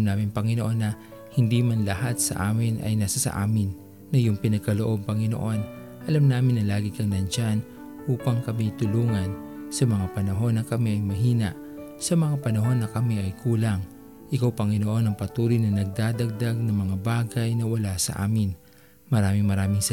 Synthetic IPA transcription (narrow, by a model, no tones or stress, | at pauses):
mnaːmɪŋpɐŋɪnoʔo̞nːɐ | hɪnd̪imanlɐhat̪̚sɐ̰ʔaːmɪnʔɐ̰jnaːsɐsɐ̰ʔa̰ːmɪnː | ɐjʊŋpɪnɐɡ̚kɐloʔo̞b̚pɐŋɪno̰ʔo̞n | ʔɐlamnaːmɪnːɐlaːɡɪkɐŋnɐnt͡ʃan | ʔuːpɐŋkɐmit̪ʊluːŋɐnsɐmɐŋapɐnɐɦo̞nːɐkɐmiʔɐjmɐɦiːnɐʔ | sɐmɐŋapɐnɐɦo̞nːɐkɐmiʔɐjkuːlaŋ | ʔɪkawpɐŋɪnoʔo̞nɐŋpɐt̪uːlijnɐnɐɡ̚d̪aːd̪ɐɡ̚d̪aɡ̚nɐŋmɐŋabaːɡɐjnɐwɐlasɐ̰ʔa̰ːmɪn | mɐɾaːmɪŋmɐɾaːmɪŋs